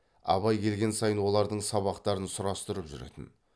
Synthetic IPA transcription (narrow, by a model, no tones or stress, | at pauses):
ɑ̰βɑjkʲʰe̞lɡʲe̞nsɑjənwo̞lˠɑɾd̪əɴsɑβɑqt̪ɑɾənsʊɾɑst̪ʊɾəpʒʏ̰ɾḛt̪ɪ̰n